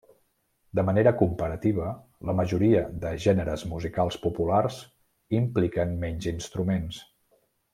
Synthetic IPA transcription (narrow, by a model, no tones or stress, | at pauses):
d̪əməneɾəkumpəɾət̪iβ̞ə | ləməʒuɾiəðəʒɛnəɾəzmuzikalˠspupularz | implikənmɛɲzinst̪ɾumens